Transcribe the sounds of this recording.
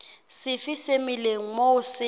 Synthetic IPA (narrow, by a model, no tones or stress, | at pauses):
sɪfisemileŋ̩moʊsɪ